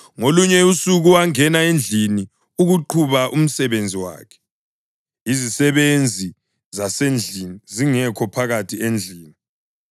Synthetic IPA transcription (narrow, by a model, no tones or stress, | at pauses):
ŋoluɲɛusuɣuwaŋɛnaend͡ɮʱini | uɣuǃʰuβaʔum̩sɛβend͡zʱiwa̰ːkʰɛ̥ | izisɛβend͡zʱi | zasend͡ɮʱiniziŋɛkʰɔpʰaɣatʰiend͡ɮʱiːni